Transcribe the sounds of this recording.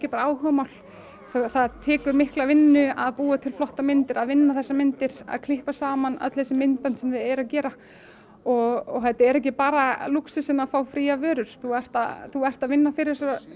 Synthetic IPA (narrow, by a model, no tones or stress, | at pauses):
ɛcɪpaːɾaaːwhœvamawl̥ | θθaðt̪ʰɛːkʏɾmɪhklavɪnːʏaðpuːat̪ʰɪlflɔht̪amɪnt̪ɪɾaðvɪnːaθɛsːamɪnt̪ɪɾ̥a̰ðkʰlɪhpasaːmanœ̰t̪lhɛsɪmɪnt̪̚pɛnt̪sɛmðɪðɛɾaðcɛːɾa | ɔɣɔɣɦɛt̪aɛɾɛhcɪpaːɾaluksɪsɪnafaːwfɾiːavœːɾʏɾ̥θuɛr̥t̪aðθuɛr̥t̪aðvɪnːafɪɾɪɾɛ̥sa